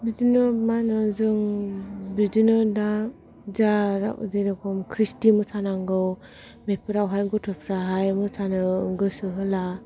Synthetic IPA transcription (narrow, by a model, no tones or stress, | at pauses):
bid͡ʒinɔmanɯzɯŋ | bid͡ʒinɯda | zaɾa̰ʔziɾakʰɔmkʰɾistimɯsʰanaŋɡɯw | mepʰɯɾawɦajɡɔtʰɔpʰɾaɦajmɯsʰanɯŋɡɯsɯɦɯla